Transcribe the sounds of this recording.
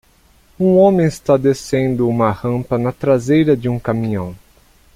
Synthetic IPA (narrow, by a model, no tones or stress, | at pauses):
ũõmẽɪst̪ad̪esẽnd̪ʊũmɐhɐ̃mpɐnɐt̪ɾazejɾɐd͡ʒɪũkamĩɲɐ̃w̃